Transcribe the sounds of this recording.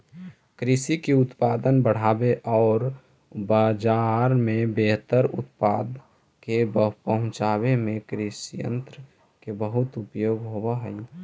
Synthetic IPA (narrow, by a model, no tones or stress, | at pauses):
kɾɪsikeʊt̪paːd̪ənbəɽ̤abeʔɔːɾ | baːd͡ʒaɾmẽbeɦt̪əɾʊ̰t̪paːd̪ | kebəpəɦʊ̃t͡ʃaβemẽkɾɪsijə̰̃nt̪ɾə | kebəɦʊt̪ʊpjoːɡɦobaɦəi